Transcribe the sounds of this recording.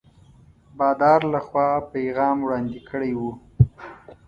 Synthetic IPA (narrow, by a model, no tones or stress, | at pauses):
bɑd̪ɑɾlaxwɑpajɣɑmwɽɑnd̪ikʰəɽajwu